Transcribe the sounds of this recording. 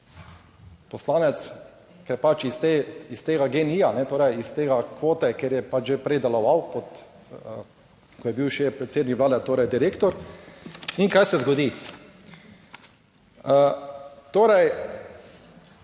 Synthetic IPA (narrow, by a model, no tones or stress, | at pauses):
pɔslaːnɛt̪s | kɛɾpat͡ʃist̪eist̪eːɡaɡenijanɛt̪oːɾɛjist̪eːɡakʋoːt̪ɛkeːɾjɛpat͡ʃʒepɾɛjd̪ɛlɔʋawpɔt̪ | kɔjɛbiwʃɛpɾɛt̪seːd̪nikʋlaːd̪ɛt̪oːɾɛjd̪iɾeːkt̪ɔɾ | iŋkajsɛzɡɔd̪i | ət̪oːɾɛj